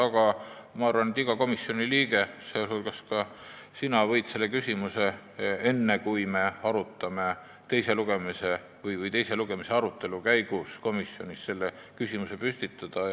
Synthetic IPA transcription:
ɑɡ̥ɑ | mɑɑrvɑnet̪iɡ̥ɑko̞misːjo̞niliːɡ̥e̞selhulɡ̥ɑskɑ | sinɑvɤ̞jd̪̥se̞lːe̞kysʲimuse̞ | e̞nːekujme̞ɑɾut̪ˑːɑme̞ | t̪e̞jse̞luɡ̥e̞mise̞ | vɤjvɯjt̪ejse̞luɡ̥e̞mise̞ɑɾut̪ːˑe̞lukæjɡ̥usko̞misjo̞nʲisse̞lːekysimuse̞pysʲt̪it̪ːˑɑd̪̥ɑ

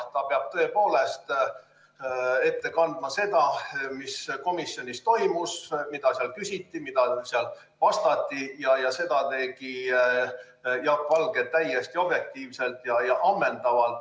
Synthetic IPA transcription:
t̪ɑpeɑb̥̚t̪ɤ̞e̞po̞ːle̞st̪ | e̞t̪ːe̞kɑnd̪̥mɑse̞d̪ɑmisko̞misjo̞nʲist̪o̞jmusmid̪ɑseɑlkysʲit̪ːˑimid̪̥ɑseɑl | pɑst̪ɑt̪ːˑijɑjɑse̞d̪̥ɑt̪e̞ːɡi | jɑb̥vɑlɡ̥et̪ːæjest̪io̞b̥jek̚t̪iːvse̞lt̪jɑjɑʔɑmːe̞nd̪ɑvɑlt̪

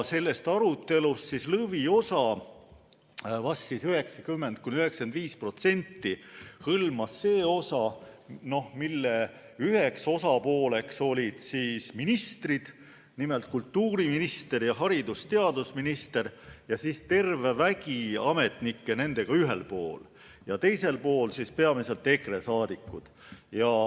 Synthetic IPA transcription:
se̞lːe̞st̪ɑɾut̪ːe̞lust̪sislɤvio̞sɑ | vɑsːisyɦe̞ksɑkymːe̞nd̪̚kunyhe̞ksɑ̥end̪viːspro̞t̪se̞nʲt̪ːihɤlmɑsːe̞ːo̞sɑno̞hmilːe | yhekso̞sɑpo̞ːle̞kso̞lʲid̪̥siːsminist̪rid̪̥ | nimelt̪̚kult̪ːuːɾiminist̪e̞rjɑɦɑɾid̪ust̪e̞ɑd̪usminist̪e̞rjɑsiːst̪e̞rve̞væɡiɑme̞t̪nikːe̞ne̞nd̪̥e̞ɡ̥ɑyɦe̞lpo̞ːl | jɑt̪e̞jse̞lpo̞ːlsispe̞ɑmise̞lt̪ːˑekre̞sɑːd̪̥ikːˑud̪̥jɑ

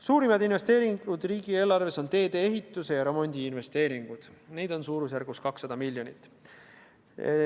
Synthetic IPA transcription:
suːɾimɑd̪inve̞st̪e̞ːɾiŋɡud̪̥riːɡ̥ie̞ːlːɑrve̞so̞nt̪e̞ːd̪e̞ːeɦit̪ːˑuse̞jɑɾo̞mo̞nʲd̪iːnve̞st̪e̞ːɾiŋɡ̥ud̪̥nejd̪̥o̞nsuːɾus̬jærɡ̥uskɑksːɑd̪ɑmilʲjo̞nit̪ːˑ

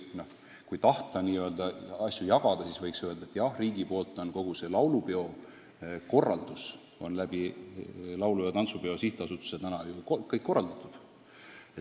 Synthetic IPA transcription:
no̞h | kujt̪ɑht̪ˑɑniːøld̪ɑɑsʲjujɑɡ̥ɑd̪̥ɑsisvɤjksøe̞ld̪̥ɑet̪ːjɑhriːɡipo̞ːlt̪ːˑo̞nko̞ɡ̥use̞lɑwlupeo̞ | ko̞rːɑ̰ld̪̥us | o̞nlæb̥i | lɑwlujɑt̪ɑnsube̞o̞siht̪eɑsut̪ːˑu̥sjɑt̪ænɑjukkːɤjkːo̞rːɑld̪̥ɑt̪ːˑud̪̥ | e

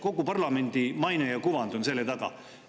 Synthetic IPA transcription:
ko̞ɡupɑrlɑme̞nʲd̪̥imɑjnejɑkuvɑnd̪onse̞lːet̪ɑɡ̥ɑ̰

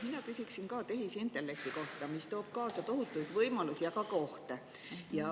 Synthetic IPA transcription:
minɑkysʲiksinkɑːt̪e̞ɦisint̪ːˑe̞lːe̞k̚t̪iko̞ht̪ɑmist̪o̞ːb̥̚kɑːsɑt̪o̞ɦut̪ːˑujd̪vɤjmɑlusijɑkɑko̞ht̪e | jɑ

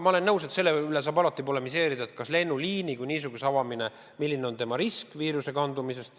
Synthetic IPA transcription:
mɑole̞nːɤwse̞t̪se̞lːeyle̞s̬ɑːbɑlɑt̪ˑːipolemise̞ːɾid̪ɑet̪̚kɑsle̞nːuliːnikujniːs̬uɡ̥use̞ɑvɑmine̞ | milːineo̞nt̪e̞mɑɾiskviːɾuse̞kɑnd̪umise̞st̪

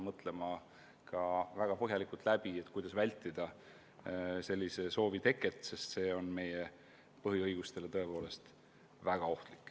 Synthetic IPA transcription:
mɤt̪ˑle̞mɑ | kɑvæɡ̥ɑpɤɦjɑlikˑult̪ˑlæbiet̪kujd̪ɑsvælʲt̪ːˑid̪̥ɑ | se̞lʲːise̞so̞ːvit̪e̞kːˑet̪ˑse̞st̪se̞ːo̞nme̞je | pɤɦiɤjɡ̥ust̪e̞le̞t̪ɤ̞e̞po̞ːle̞st̪ | væɡ̥ɑo̞ht̪likːˑ

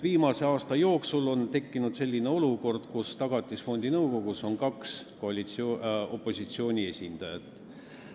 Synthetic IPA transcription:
viːmɑse̞ɑːst̪ɑjo̞ːksulo̞nt̪e̞kːinud̪̥se̞lʲːine̞o̞luko̞rd̪̥kust̪ɑɡ̥ɑt̪ʲˑːisfo̞nʲd̪̥inɤwko̞ɡuso̞nkɑkskoɑlit̪so̞pˑːo̞sʲit̪sio̞ːnʲie̞sʲind̪̥ɑjɑt̪ːˑ

